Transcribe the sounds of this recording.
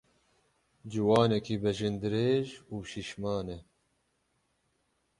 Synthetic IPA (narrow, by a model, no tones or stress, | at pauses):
d͡ʒiwɑːnɛkʰiːbɛʒɨnd̪ɨɾeːʒuːʃiʃmɑːnɛ